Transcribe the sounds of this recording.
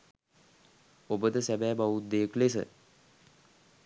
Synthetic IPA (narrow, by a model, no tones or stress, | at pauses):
obəd̪əsæbæːbaʋut̪̚d̪ejəklesə̰